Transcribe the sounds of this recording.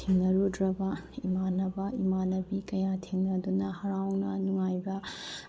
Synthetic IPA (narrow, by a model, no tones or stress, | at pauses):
iŋnɐɾudɾɐbɐimanɐbɐimanɐbikɐjatʰeŋnɐdunɐhɐɾawnɐnuŋajbɐ